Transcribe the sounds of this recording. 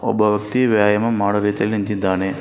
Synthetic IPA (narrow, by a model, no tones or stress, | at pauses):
ɔ̰bɐʋɐkt̪iʋjaːjɐmɐmaːɽɐɾit̪ɐlint̪id̪aːne